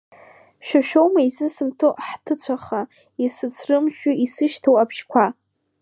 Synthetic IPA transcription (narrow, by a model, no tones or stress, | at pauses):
ʃᶣaʃᶣowmaizɨsɨmtʰoħtʰɨt͡sʷʰaχa | isɨt͡sʰrɨmʃᶣʊisɨʃtʰowapʰʃkʷʰa